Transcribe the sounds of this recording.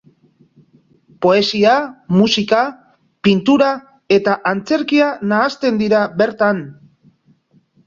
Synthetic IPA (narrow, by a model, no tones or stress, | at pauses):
po̞e̞siamusika | pint̪uɾa | e̞t̪aʔant͡se̞ɾkianaːst̪e̞nd̪iɾaβe̞ɾt̪an